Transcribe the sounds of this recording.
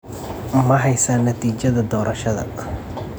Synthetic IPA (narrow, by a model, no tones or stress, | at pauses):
mɐɦɛjsaːnːɐt̪ʰiːt͡ʃɐðɐd̪ɔːɾʔɐʃɐðɐ̰